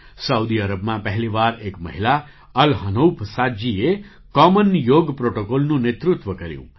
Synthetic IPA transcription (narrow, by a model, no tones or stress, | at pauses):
səud̪iəɾəbmãpəɦliʋaɾekmə̰ɦila | əlɦənowpʰsad͡ʒie | kɔmənjoɡpɾoʈokolnũnet̪ɾut̪ʋəkəɾjṵ̃